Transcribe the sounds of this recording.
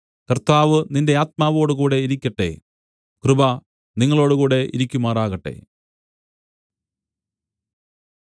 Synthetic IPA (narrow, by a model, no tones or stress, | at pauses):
kɐrt̪aːʋɨninde̞aːt̪̚maːʋo̞ːɽukuːɽe̞iɾikʲːɐʈːe̞̰ | krɨbɐ | niŋːɐɭo̞ːɽukuːɽe̞ʔḭɾikʲːumaːraːɣɐʈːe̞̰